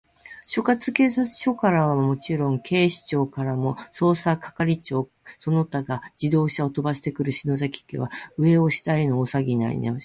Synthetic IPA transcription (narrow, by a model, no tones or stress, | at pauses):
ɕo̞kat͡sɨke̞ːsat͡sɨ̥ɕo̞kaɾaβamomo̞t͡ɕiɾõ̞ŋkʰe̞ːɕi̥t͡ɕo̞ːkaɾamo̞so̞ːsakḁkaɾʲit͡ɕo̞ː | so̞no̞t̪aɡad͡ʑid̪o̞ːɕaot̪o̞baɕi̥t̪e̞kɯ̟ɾɯ̟ɕino̞zakʲi̥kʲḛβaɯ̟e̞o̞ɕi̥t̪aenoːsaɡʲina̰ḭnḛ